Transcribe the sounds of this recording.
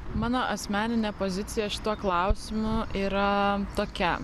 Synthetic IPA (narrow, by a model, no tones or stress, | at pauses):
mɑːnoːʔɐsʲmʲæːnʲɪnʲepozʲɪt̪sʲɪjɛʃʲɪ̥t̪uɔklˠɐʊsʲɪmʊʔiːɾɐt̪oːkʲɛ